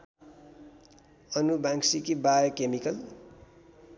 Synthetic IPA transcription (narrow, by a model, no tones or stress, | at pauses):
ʌnubãŋksikibajʌkemikʌl